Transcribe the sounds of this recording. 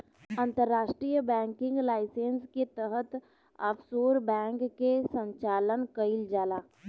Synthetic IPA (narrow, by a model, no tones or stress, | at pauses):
ə̃nt̪əɾːaːʃʈɾijəbɛ̃ːŋkɪ̃ŋɡlaːɪsẽːnsket̪əɦət̪ | əpsoːɾbɛ̃ːŋkːesə̃ɲt͡ʃaːlənkəɪld͡ʒaːlaː